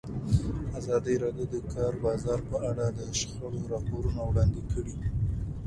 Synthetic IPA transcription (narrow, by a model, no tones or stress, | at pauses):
azɑd̪əɾɑɖjod̪əkʰɑɾbɑzɑɾpəʔaɽad̪əʃxəɽoɾɑpoɾunawɽɑnd̪ikəɽi